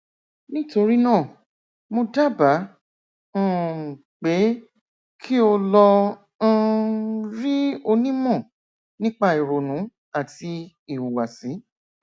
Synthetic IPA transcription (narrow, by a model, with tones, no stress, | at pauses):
nĩ˦to˧ɾi˦nãː˦˨ | mo˧da˦˨bã˨˦˨ | k͡pe˨˦ | kʰi˦o˧lɔ̃˧˦˧ | ɾi˦o˧nĩ˦mɔ̃˦˨ | nĩ˦k͡pa˧i˨ɾo˨nũ˨˦ | a˨ti˧ | i˨wu˨wa˨sĩ˨˦